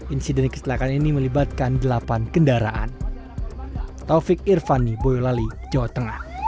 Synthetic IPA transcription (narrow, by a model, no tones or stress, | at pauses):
ʔinsidɛnkə̥st̪lakaniniməlibat̪̚kandəlapankəndaɾaʔa̰n | t̪ofɪk̚irfanibojolali̥d͡ʒawat̪əŋah